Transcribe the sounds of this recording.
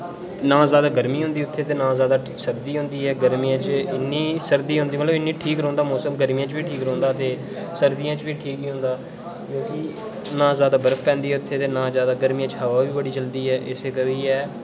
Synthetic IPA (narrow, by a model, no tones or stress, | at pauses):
nãːzjaːd̪aːɡəɾmiːɦʊ̃nd̪iːʊt̪ʰːeːt̪eːnãːzjaːd̪aː | səɾd̪iːɦʊ̃ːnd̪iːɦɛːɡəɾmiːãːt͡ʃɪnːiːsəɾd̪iːɦʊ̃nd̪iːmət̪ləbɪnːiːʈʰiːkɾõːnd̪aːmɔːsəmɡəɾmijãːt͡ʃʋiːʈʰiːkɾõːnd̪aːt̪eː | səɾd̪ijãːt͡ʃʋiːʈʰiːkiːɦʊ̃nd̪aː | kjõːkɪ | nãːzjaːd̪aːbəɾəfpɛ̃ːnd̪iːɛːʊt̪ʰːeːt̪eːnãːzjaːd̪aːɡəɾmiːãːt͡ʃɦəʋaːʋiːbəɽiːt͡ʃəld̪iːɦɛːʔɪseːkəʋiːɦɛː